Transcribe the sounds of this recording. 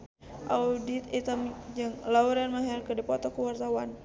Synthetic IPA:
ʔawdit̪it̪amd͡ʒəŋlauɾanmaɦɛrkədipɔt̪ɔkəwart̪awan

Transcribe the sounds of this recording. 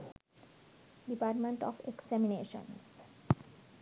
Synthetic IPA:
ɖipaːɾʈmẽɳʈɔ̰ːfeksæmineːʃə̰̃n

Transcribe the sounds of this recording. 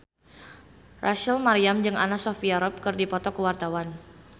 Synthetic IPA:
rʔaʃəlmaɾiamd͡ʒɨŋʔa̰nasɔfiaɾɔp̚kɨrdipɔt̪ɔkəwart̪awan

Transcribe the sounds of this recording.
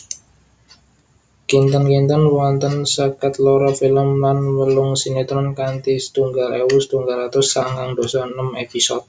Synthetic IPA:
kint̪ənkint̪ənwɔnt̪ənsəkət̪lɔɾɔfiləmlanwəlʊŋsinet̪ɾɔnkant̪isə̥t̪uŋɡalewusə̥t̪uŋɡalat̪ʊsːaŋaŋd̪o̤sanəmepisɔt̪̚

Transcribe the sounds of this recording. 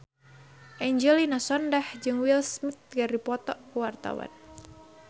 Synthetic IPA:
ʔɛɲd͡ʒɛlinasɔndahd͡ʒɨŋwilsmit̪̚ɡaripɔt̪ɔkuwart̪a̰wa̰n

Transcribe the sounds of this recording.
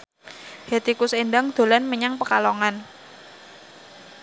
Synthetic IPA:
het̪ikʊsenɖaŋd̪̥o̤lanməɲaŋpəkaloŋan

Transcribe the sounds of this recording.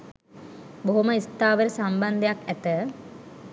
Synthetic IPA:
boɦuməist̪aːʋəɾəsamband̪əjakæt̪ə

